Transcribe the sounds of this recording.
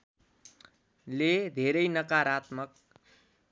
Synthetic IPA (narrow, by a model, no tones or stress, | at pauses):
led̪ʱeɾʌjnʌkaɾat̪mʌk̚